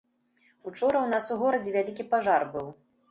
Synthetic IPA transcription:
ut͡ʂɔɾɐwnasuɣɔɾɐd͡zʲɛvʲalʲikʲipaʐarbɨw

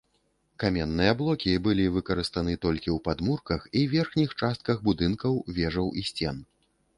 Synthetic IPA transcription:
kamʲɛnːɨjɐblˠɔkʲibɨlʲivɨkɐɾɨst̪anɨt̪ɔlʲkʲiwpad̪murkɐxiwvʲɛrxnʲixt͡ʂast̪̚kɐɣbud̪ɨnkɐwvʲɛʐɐwʔisʲt͡sʲɛn

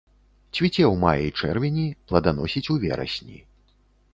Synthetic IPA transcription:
t͡sʲvʲit͡sʲɛwmajɐjt͡ʂɛrvʲɛnʲiplˠɐd̪anɔsʲit͡sʲuvʲɛ̰ɾɐ̰sʲnʲḭ

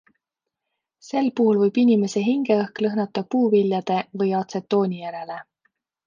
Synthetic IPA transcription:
se̞lpuhulvɤjb̥inime̞se̞ɦiŋɡe̞ɤhklɤɦnɑt̪ːˑɑpuːviljɑd̪̥e̞vɤjɑt̪se̞t̪ːo̞ːnʲijæɾe̞le̞

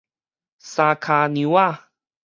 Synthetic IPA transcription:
sakʰaniwa

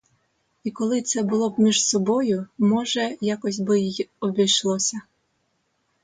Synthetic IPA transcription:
ikɔlˠɪt̪sɛbʊlˠɔbmʲiʒsɔbɔjʊmɔʒɛjakɔsʲbɪjjɔbʲɪjʃlˠɔsʲɐ

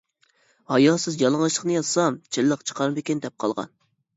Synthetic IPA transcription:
hɑjɑːsɪzjɑlˠəŋlˠɨʃlˠə̥χnɨjɑzsɑmt͡ʃʰɪlːəqt͡ʃʰə̥qʰɑɾbɪkʲɪnd̪ɛp̚qʰɑ̰lˠʁɑ̰n

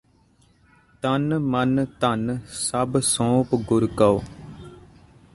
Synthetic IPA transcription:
t̪ənmənt̪ənsəbsõːpɡʊɾkəoː

